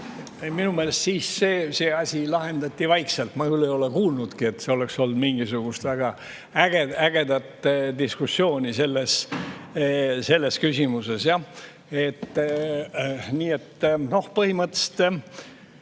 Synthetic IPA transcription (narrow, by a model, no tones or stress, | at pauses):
minumelest̪siːsseːseːɑsʲilɑɦe̞nd̪ɑt̪ʲːivɑjkselt̪mɑkylejo̞lekuːlnud̪̥kie̞t̪seo̞le̞kso̞ld̪miŋɡ̥isuɡ̥ust̪væɡ̥ɑ | æɡ̥eæɡ̥e̞d̪ɑt̪ːd̪iskusːjo̞ːnʲise̞lːes | se̞lːe̞skysʲimuse̞sjɑ | e̞t̪ː | niːet̪ːno̞hpɤhimɤt̪ːˑe̥st̪